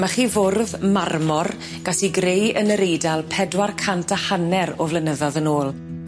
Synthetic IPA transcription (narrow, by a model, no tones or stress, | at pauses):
maχiːvoːrðmarmɔr | ɡ̥asiɡrejənəɾejdalˠpʰɛdwarkʰantʰahanɛɾɔvlənəðɔðənoːlˠ